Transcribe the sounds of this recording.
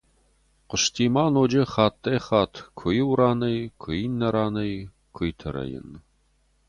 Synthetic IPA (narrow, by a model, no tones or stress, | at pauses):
qəʂtʰiːmaːnoːd͡ʒɐχɑːt̪ʰʼːɐjχɑːtʰkʷʰʊjɪwɾaːnɐjkʷʰɨjinːɐɾaːnɐj | kʰʷɨjtʰɐɾɐ̰jɪ̰n